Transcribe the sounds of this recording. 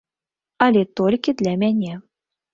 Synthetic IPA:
alʲet̪olʲkʲid̪lʲæmʲænʲe

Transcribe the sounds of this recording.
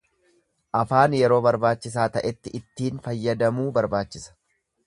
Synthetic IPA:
ʔɐfaːnjɛɾo̞ːbɐɾbaːt͡ʃːɪs̬aːt̪ɐʔɛt̪ːɪʔɪt̪ːiːnfɐjːɐd̪ɐmuːbɐɾbaːt͡ʃːɪsɐ̥

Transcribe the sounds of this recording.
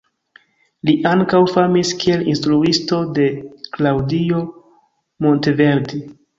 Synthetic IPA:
liʔaŋkawfamiskie̞linstɾuisto̞de̞klawdio̞ | mo̞nteve̞ɾdi

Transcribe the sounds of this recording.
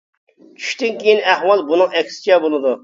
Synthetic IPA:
t͡ʃʲʰy̥ʃt̪ɪnkʲejinæhwɑlˠbunɨŋɛkʲsɪ̥t͡ʃʰɛbolˠɨd̪u

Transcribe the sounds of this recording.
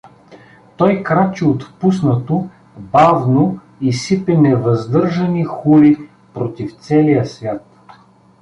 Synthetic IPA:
t̪ɔjkɾat͡ʃiot̪pusnɐt̪o | bavno | isipɛnɛvɐzd̪ɤɾʒɐnixuli | pɾot̪ift̪sɛlijəsvʲjat̪

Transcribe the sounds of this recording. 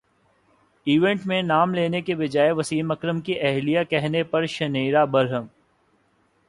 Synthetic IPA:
iːʋẽɳʈmẽnaːmleːnekebɪd͡ʒaːeʋɐsiːmɐkɾəmkiʔɛɦlijakɛɦnepɐɾʃɐniːɾabɐɾɦəm

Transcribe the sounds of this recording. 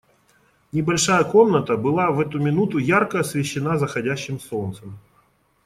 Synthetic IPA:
nʲɪbɐlʲʂajəko̞mnət̪əbɨlˠavɛt̪ʊmʲɪnut̪ʊjarkəɐsvʲɪɕːɪnazəxɐdʲæɕːɪmso̞nt̪səm

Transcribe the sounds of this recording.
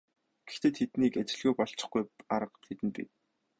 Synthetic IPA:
ɡ̥ext̪eːt̪ʰet̪niːket͡ɕɪ̆ɮɣuːpɔɬt͡ɕɪ̥̆χɡujaɾə̆qt̪ʰet̪ɘ̆npḭ

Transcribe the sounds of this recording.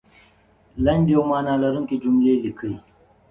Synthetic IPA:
lɐndomaːnalaɾuŋkid͡ʒumlelikəj

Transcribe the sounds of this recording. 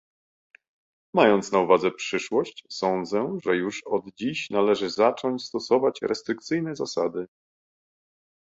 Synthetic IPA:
majɔnt̪snauvad̪zɛpʂɘʂwɔɕt͡ɕsɔnd̪zɛʐɛjuʂɔd̪d͡ʑiɕnalɛʐɘzat͡ʂɔɲt͡ɕst̪ɔsɔvat͡ɕɾʔɛst̪ɾɘk̚t̪sɘjnɛzasad̪ɘ

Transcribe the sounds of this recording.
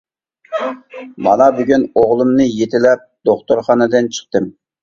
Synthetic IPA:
mɑ̰nɑbyɡʲynoʁlˠɨmnɨjet̪ʰɪlɛp̚d̪̥oχt̪oɾχɑnɨd̪ɨnt͡ʃʰə̥χt̪ɨm

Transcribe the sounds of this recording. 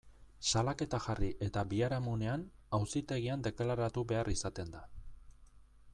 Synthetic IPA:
salake̞t̪axariʔe̞t̪abiaɾamune̞anawsit̪e̞ɣ̞iand̪e̞kalaɾat̪uβe̞arisat̪e̞nd̪a

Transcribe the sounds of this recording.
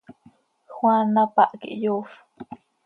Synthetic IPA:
xwanapaʔkḭʔjof

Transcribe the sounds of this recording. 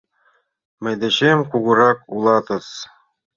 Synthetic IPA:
mɘ̆jd̪ɘ̆ɕemkuɣɤ̆ɾɑkulˠɑt̪ɤ̆s

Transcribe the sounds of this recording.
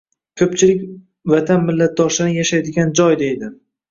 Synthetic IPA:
kʲʰɵp̚t͡ʃʰɪlɪkʲ | vat̪ʰanmɪlːat̪̚d̪ɒʃlaɾɪjaʃajd̪ɪɡʲand͡ʒɒjd̪e̞jd̪ɪ

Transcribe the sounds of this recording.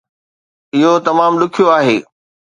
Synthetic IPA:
ɪɦot̪ɐmaːmlʊkʰijoaːɦeː

